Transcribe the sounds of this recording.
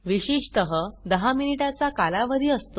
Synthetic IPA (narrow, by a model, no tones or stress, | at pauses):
ʋiɕiɕt̪əɦəd̪əɦaminiʈat͡sakalaʋəd̪ʱiːəst̪o